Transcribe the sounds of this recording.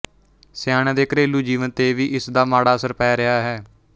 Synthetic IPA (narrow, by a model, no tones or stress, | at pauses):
sɪjaːɽãːd̪eːkɾeːlːuːd͡ʒiːʋənt̪eːʋiːʔɪsd̪aːmaːɽaːsəɾpɛːɾɪaːɦɛː